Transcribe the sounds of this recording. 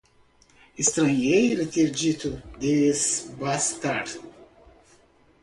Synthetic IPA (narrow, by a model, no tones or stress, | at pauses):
ist̪ɾɐ̃ɲejɾet̪eɾd͡ʒit̪ud̪esbast̪aɾ